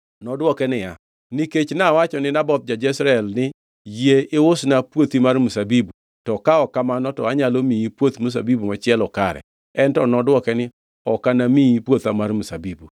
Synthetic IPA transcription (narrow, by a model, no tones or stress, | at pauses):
nɔdwɔkɛnɪja | niket͡ʃnawat͡ʃɔnɪnabɔt̪̚d͡ʒad͡ʒɛsɾaɛlnɪ | jeɪwʊsnapwot̪imarmusabibu | tɔkaɔkamanɔtɔaɲalomiipwot̪mus̬a̰bibumɔt͡ʃɪɛlɔkaɾɛ̰ | ɛntɔnɔdwɔkɛnɪ | ɔkanamiipwot̪amarmusabibu